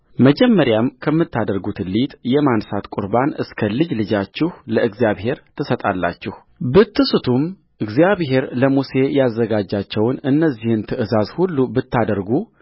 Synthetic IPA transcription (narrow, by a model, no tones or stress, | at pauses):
məd͡ʒɛmːəɾjamkʰəmːɨt̪ːad̪əɾɡut̪lit̪ʼjɛmansat̪kʼʊɾbanɨskʰəlɨd͡ʒlɨd͡ʒat͡ʃːɪhləɨɡzijaβhe̞ɾt̪ʰɨsət̪ʼa̰lːa̰t͡ʃːɪh | bɨt̪ːɨsɨt̪ʰum | ʔɨɡzijaβɦe̞ɾləmuse̞jazːəɡad͡ʒːat͡ʃːɛwnɨnːəzːihɨnt̪ʰɨʔɨzazhulːubɨt̪ːad̪əɾɡu